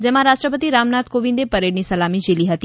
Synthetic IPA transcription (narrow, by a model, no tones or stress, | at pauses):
d͡ʒɛmãɾaʃʈɾəpət̪iɾamnat̪koʋĩnd̪epəɾeɽnisəlamid͡ʒiliɦət̪i